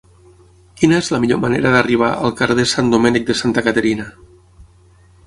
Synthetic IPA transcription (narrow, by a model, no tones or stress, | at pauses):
kinəezləmiʎomaneɾəðariβ̞aə̰lˠkaɾðesand̪umenik̚d̪əsant̪əkət̪əɾina